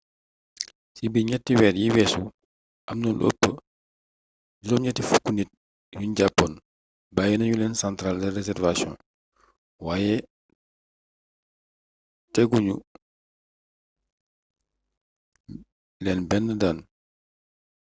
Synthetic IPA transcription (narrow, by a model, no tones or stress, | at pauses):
sibiɲɛtːiwɛːɾjiwɛːsu | ʔɐmnɐlʔo̰pːə | dilɔɲɛtːifukːunit̚ | juɲɟapːɔn | bajinɐɲulɛːnsantɾaldɐrɛzɛrvasjɔ̰̃n | waːjɛ | tɛɡuɲṵ | lɛnbɛnːədaːn